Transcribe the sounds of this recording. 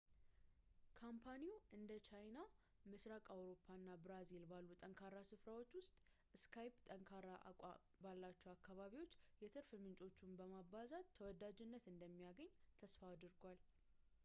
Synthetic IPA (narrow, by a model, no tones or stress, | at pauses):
kʰampʰaniuʔɨnd̪ət͡ʃajna | mɨsɾakʼawɾo̞pʰːanːabɾazilbalːut̪ʼəŋkʰaɾasɨfɾawo̞t͡ʃːwʊst̪ʼ | ɨskʰajpt̪ʼəŋkʰaɾaʔʷʼ | balːat͡ʃːɛakːaβaβiwot͡ʃːjɛt̪ʰɨɾfɨmɨnt͡ʃʼo̞t͡ʃːumbəmaβazat̪ʰːəwɔd̪ad͡ʒɪnːət̪ɨnd̪əmːijaɡəɲːt̪ʰəsfaːd̪ɨɾɡwal